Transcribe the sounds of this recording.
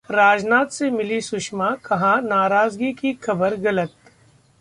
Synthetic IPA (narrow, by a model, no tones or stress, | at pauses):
ɾaːd͡ʒnaːt̪semɪlisʊʃmakʰɐɦãnaːɾaːzɡikixʰɐbəɾɣɐlət̪